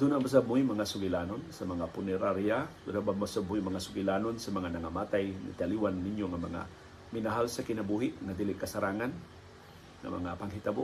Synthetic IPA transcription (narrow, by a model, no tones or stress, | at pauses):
d̪unabas̬abʊjmɐŋasʊɡɪlanonsɐmɐŋapʊnɛɾaɾjad̪unabamasabʊjmɐŋasʊɡɪlanonsɐmɐŋanɐŋamaːt̪ajnɐ̰t̪aliwanːɪnjoŋɐmɐŋa̰ | mɪnaɦalsɐkɪnɐbuɦɪʔŋɐd̪ilɪʔkɐsɐɾaːŋan | ŋɐ̰mɐ̰ŋapɐŋɦit̪abo